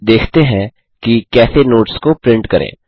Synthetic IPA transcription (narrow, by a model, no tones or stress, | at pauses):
d̪eːkʰt̪eɦɛ̃ | kikɛːsenoːʈskopɾɪ̃ɳʈkɐɾʔḛ̃ː